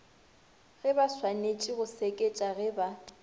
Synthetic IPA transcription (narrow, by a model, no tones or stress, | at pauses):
ɣɪbaswanet͡ʃʼiɣʊsekʼet͡ʃʼaɣɛba